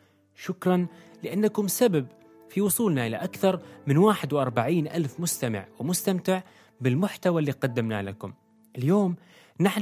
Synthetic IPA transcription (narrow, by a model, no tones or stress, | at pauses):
ʃʊkɾˤɑnlɪʔanːakʊmsabab | fiwʊsˤuːlnaʔɪla̰ʔakθɑɾˤmɪnwaːħɪd̪wɪʔɑɾˤbaʕiːnʔa̰lfmʊst̪amɪ̰ʕwɪmʊst̪amt̪ɪʕ | bɪlmʊħt̪awalːiːqɑd̪ːɪmna̰lakʊm | ʔɪljoːm | naħ